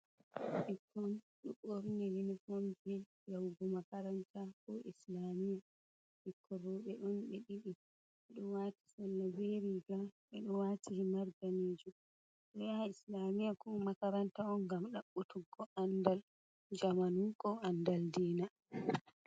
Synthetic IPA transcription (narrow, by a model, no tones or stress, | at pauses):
ʔɛkʰːɔn | ɗuɓoɾnɛlinifomd͡ʒɛ | jawɡɔmakaɾantʰakɔʔislamija | ʔikʰːɔɾɔɓɛɗɔnɓɛɗiɗi | ɓɛɗɔwati̥salːabeɾiɡaɓɛɗɔwatihmaɾɡaned͡ʒu | ɗɔjaislamijakɔmakaɾantaɔnɡamɗaɓːutuɡːɔʔandal | d͡ʒamanukɔandaldɛːna